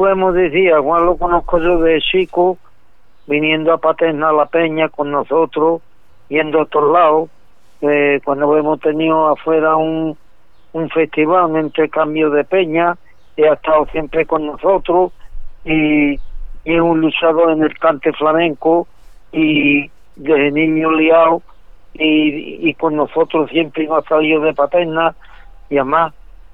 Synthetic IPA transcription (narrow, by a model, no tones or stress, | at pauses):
pwemoðiθiaɣwãlokonokoʝoðet͡ʃiko | binjẽnd̪oapat̪enalapeɲakonːoθot̪ɾo | bjend̪oot̪olao | pekwand̪oemot̪enioafweɾauŋ | uɱfe̞st̪iβaluŋẽnt̪eɾkambjoðepe̞ɲa | eaeht̪awθje̞mpɾe̞ko̞nːoso̞t̪ɾoi | eunlut͡ʃaðoene̞lkant̪eflamẽŋko | i | ðeɦenĩɲoliaw | iːko̞nːoso̞t̪ɾosje̞mpɾenoasalioðe̞pat̪ena | iama